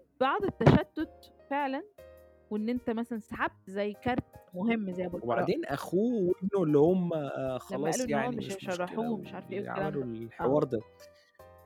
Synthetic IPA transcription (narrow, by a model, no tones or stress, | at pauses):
b̥ɑʕd̪ˤet̪ːæʃæt̪ːod̪feʕlæn | weʔenːʔent̪æmæsælænsaħab̚t̪zæjːkæɾˤt̪moɦemːzæjːbɑweba̰ʕd̪eːnʔæ̰xuːwebnːolːihomxlæɑlɑæːsʔæluʔejːaʕowææmeʃʃɑɾˤːɑħuːmeʃʕɑɾfʔḛːelɾlħewɑːɾˤd̪æ